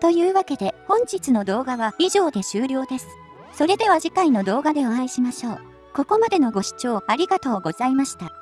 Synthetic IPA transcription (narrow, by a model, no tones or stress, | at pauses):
t̪o̞jɯ̟ːβake̞d̪e̞hõ̞ɲ̟t͡ɕit͡sɨno̞d̪o̞ːɡaβaiʑo̞ːd̪e̞ɕɨːɾʲo̞ːd̪e̞sɨ̥ | so̞ɾe̞d̪e̞βaʑikaino̞d̪o̞ːɡad̪e̞oãiɕimaɕo̞ː | ko̞ko̞mad̪e̞no̞ɡo̞ɕi̥t͡ɕo̞ːaɾʲiɡat̪o̞ːɡo̞zaimaɕi̥t̪a